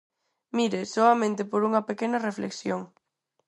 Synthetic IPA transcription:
miɾesoamẽnt̪epoɾuŋɐpekenɐreflḛksjoŋ

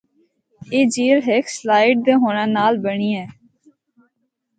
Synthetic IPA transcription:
eːd͡ʒiːlɦeːkslaːɪɖ̚d̪eːɦoːɳãːnaːlbəɳiːɛː

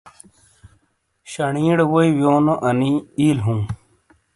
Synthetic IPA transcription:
ɕɐɳĩːɽwoiwjoːnoʔɐniiːlɦũː

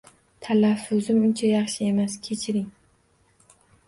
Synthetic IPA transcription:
t̪ʰalafːʊzɪmʊnt͡ʃʰajɑχʃɪemaskʲʰe̞t͡ʃʰɪɾɪŋ

